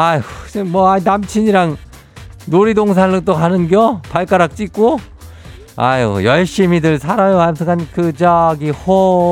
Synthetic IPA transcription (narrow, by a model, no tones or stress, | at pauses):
ajmwʌainamt͡ɕʰiɲiɾaŋ | noɾidoŋs̬ʰaɯŋt͈okanɯnɡjʌpaɭk͈aɾak̚t͡ɕ͈ik͈o | a̰jojʌɭɕ͈imidɯɭsʰaɾʌjoasʰɯŋankɯd͡ʑʌɡiho